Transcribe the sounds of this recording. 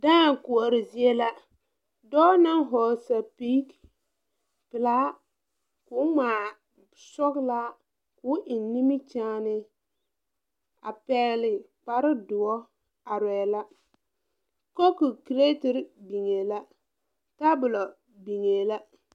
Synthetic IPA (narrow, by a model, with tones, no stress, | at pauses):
daː˦˨ŋ˨kʊ˨ɔ˨ɾɪ˨zɪ˦e˦la˦ | dɔː˦na˦ŋɦɔ˨sa˨pi˦k | pɪ˨la˦ | kʊː˨˦maː˨ | sɔ˦kla˦ | kʊ˦ʔɪ˨n˦ni˦mi˦t͡ʃaː˦nɪ˦ | a̰˨pɛː˨˦lɪ˨ | k͡pa˨ɾɪ˦dʊ˨ɔ˦ | a˨ɾɛː˨˦˨la˦ | ko˦ku˨ki˨ɾe˦tɪ˦ɾbi˨ŋe˨la˦ | ta˦bʊ˨lɔ˨ | bi˨ŋe˨la˦